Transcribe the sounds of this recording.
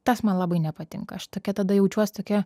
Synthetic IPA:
t̪ɐsmɐnlˠɑːbɐɪnʲɛpɐt̪ʲɪ̰ŋkɐ̰ɐʃt̪oːkʲɛt̪ɐd̪ɐjɛʊt͡ʃʲuɔsʲt̪oːkʲɛ

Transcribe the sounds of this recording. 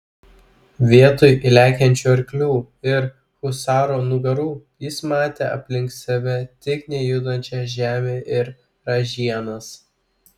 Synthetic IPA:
ʋʲiɛt̪ʊjʔɪlʲæːkʲɛnʲt͡ʃʲuːɐɾʲkʲlʲuː | ɪɾ | xʊsɑːɾoːnʊɡɐɾuːjɪsmɑːt̪ʲeːɐpʲlʲɪŋk̪sʲɛʋʲɛt̪ʲɪknʲɛjʊd̪ɐnʲt͡ʃʲɛʒʲæːmʲeːʔɪɾ | ɾɐʒʲiɛnɐs

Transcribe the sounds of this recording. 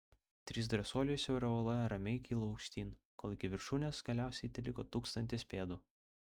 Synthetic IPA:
t̪ʲɾʲis̬d̪ɾɐsoːlʲɪjusʲɛʊɾʲɛolˠɐɾɐmʲɛɪkʲiːlˠoɐʊkʃʲt̪ʲiːnkoːlˠɪkʲɪʋʲɪɾʃuːnʲeːsɡ̥ɐlʲæˑʊsʲɛɪt̪ʲɪlʲɪkoːt̪uːkst̪ɐnʲt̪ʲɪspʲeːd̪uː

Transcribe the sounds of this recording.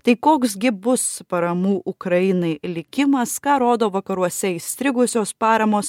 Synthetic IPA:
t̪ɐɪkoːksɡʲɪbʊspɐɾɐmuːʔʊkɾɐjɪnɐɪlʲɪkʲɪmɐskɑːɾoːd̪oːʋɐkɐɾuɔsʲɛisʲt̪ʲɾʲɪɡʊsʲoːspɑːɾɐmoːs

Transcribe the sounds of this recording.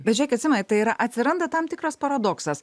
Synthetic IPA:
bʲɛt̪t͡ʃʲd͡ʒʲæːkʲːɐt̪sʲɪmʲɛnʲtt̪ɐɪiɾɐʔɐt̪ʲsʲɪɾɐnd̪ɐt̪ɐmt̪ʲɪkɾɐspɐɾɐd̪oːksɐs

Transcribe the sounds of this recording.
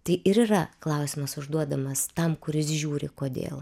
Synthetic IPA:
t̪ɐɪʔɪɾiːrɐklˠɐʊsʲɪmɐsʊʒd̪uɔd̪ɐmɐst̪ɐmkʊɾʲɪsʒʲuːɾʲɪkoːd̪ʲḛːlˠ

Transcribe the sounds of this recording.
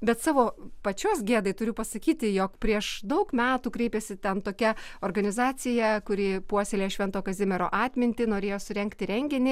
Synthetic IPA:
bʲɛt̪sɑːʋoːpɐt͡ʃʲoːsɡʲeːd̪ɐɪt̪ʊɾʲʊpɐsɐkʲiːt̪ʲɪjoːkpʲɾʲiɛʃd̪ɐʊkmʲæːt̪uːkɾʲɛɪpʲɛsʲɪt̪ʲɛnt̪oːkʲɛoːrɡɐnʲɪzɑːt͡s̪ʲɪjɛkʊɾʲɪːpuɔsʲelʲeːʃʲʋʲɛnt̪oːkɐzʲɪmʲɛɾoːʔɑːt̪ʲmʲɪnʲt̪ʲɪnoːɾʲeːjoːsʊɾʲɛŋkt̪ʲɪɾʲɛŋʲɡʲɪnʲɪ

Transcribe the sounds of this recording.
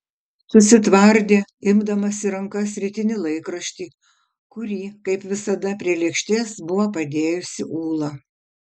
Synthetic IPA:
sʊsʲɪt̪ʋɐɾʲd̪ʲeːɪmd̪ɐmɐsʲɪɾɐŋkɐsʲɾʲɪt̪ʲɪnʲɪlˠɐɪkɾɐʃʲt̪ʲiː | kʊɾʲiːkɐɪpʋʲɪsɐd̪ɐpʲɾʲiɛlʲɛkʃʲt̪ʲeːsbʊʋopɐd̪ʲeːjʊsʲɪʔuːlˠɐ

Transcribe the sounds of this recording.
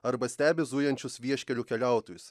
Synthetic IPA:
ɐɾbɐsʲt̪ʲæːbʲɪzuːjɛnʲt͡ʃʲʊsʋʲiɛʃʲkʲɛlʲʊːkʲɛlʲæˑʊt̪oːjʊs

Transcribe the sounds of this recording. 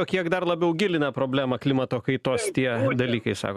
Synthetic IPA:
oːkʲiɛkd̪ɐrlˠɐbʲɛʊɡʲɪlʲɪnɐpɾoːbʲlʲæːmɐklʲɪmɐt̪oːkɐɪt̪oːst̪ʲiɛd̪ɐlʲiːkɐɪsɑ̰ːkː

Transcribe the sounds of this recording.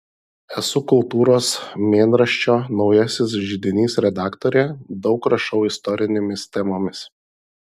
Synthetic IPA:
ɛsʊkʊlˠt̪uːɾoːsmʲeːnɾɐʃʲt͡ʃʲoːnɒʊjɛsʲɪs̬ʒʲɪd̪ʲɪnʲiːsɾʲɛd̪ɑːkt̪ɔɾʲeːd̪ɒʊkɾɐʃɒʊɪst̪ɔɾʲɪnʲeːmʲɪst̪ʲɛmoːmʲɪs

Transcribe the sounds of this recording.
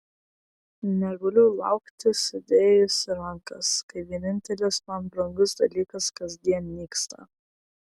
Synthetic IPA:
nʲɛɡɐlʲʊlˠɐ̰ˑʊkt̪ʲɪsɪd̪ʲeːjʊsʲɪɾɐŋkɐskɐɪʋʲiɛnʲɪnʲt̪ʲɛlʲɪsmɐnbɾɐŋɡʊsd̪ɐlʲiːkɐskɐzʲd̪ʲiɛnmʲiːkst̪ʰɐ̰

